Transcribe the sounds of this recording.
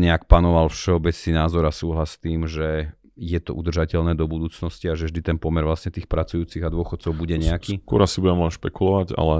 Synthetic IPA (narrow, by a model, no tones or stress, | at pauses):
ɲɛakpanɔʋalfʃɛɔbɛt͡sninaːzɔɾasuːɦlast̪iːmʒɛ | jɛt̪ɔ̰ʔud̪r̩ʒacɛʎnɛːd̪ɔbud̪uːt͡snɔsciaʒɛvʒd̪it̪ɛnpɔmɛɾʋlasɲɛt̪iːxpɾat͡sujuːt͡siɣad̪ʊɔxɔt̪t͡sɔʊbuɟɛɲɛakiːkʊɔ̰ɾasibuɟɛmɔʃpɛkulɔʋaɟa̰lɛ